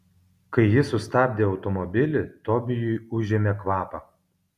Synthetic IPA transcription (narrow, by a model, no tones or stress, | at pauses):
kɐɪjɪsʊst̪ɑːbʲd̪ʲeːɒʊt̪ɔmɔbʲɪlʲɪt̪ɔbʲɪjʊɪʊʒʲeːmʲekʋɑːpɐ